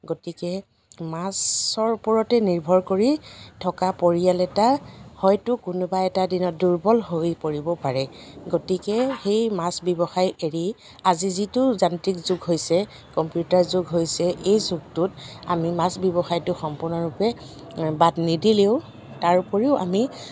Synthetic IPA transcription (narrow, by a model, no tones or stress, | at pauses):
ɡotikɛ | masɔɹpɔɹɔtɛniɹbʱɔɹkoɹitʰɔkapoɹijalɛtahɔjtʊkʊnʊbaɛtadinɔt̚duɹbɔlɦojpoɹibɔpaɹɛɡotikɛxejmasbɔbɔxajeɹi | azizitʊzantɹikzʊɡɦojsɛ | kɔmpjutaɹzʊɡɦojsɛʔejzʊɡ̚tʊta̰mimasbjɔbɔxajtʊxɔmpʊɹnɔɹupɛ | batnidileʊ | taɹpoɹiʊa̰mi